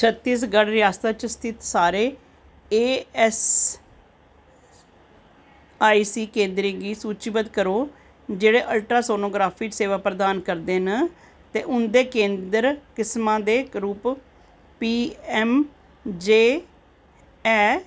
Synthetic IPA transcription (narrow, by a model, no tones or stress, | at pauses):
t͡ʃʰət̪ːiːs̬ɡəɽɾɪjaːst̪aːt͡ʃəst̪ʰɪt̪saːɾeː | eːɛs | aːisiːkẽːnd̪ɾĩɡiːsuːt͡ʃbəd̪kəɾoː | d͡ʒeːɽeːʔəlʈɾaːsoːnoːɡɾaːpʰiːseːʋaːpɾəd̪aːnkəɾd̪eːnə | t̪eːʔʊnd̪eːkẽːnd̪əɾkɪsmãːd̪eːɾuːp | piːɛːm | d͡ʒeː | ɛː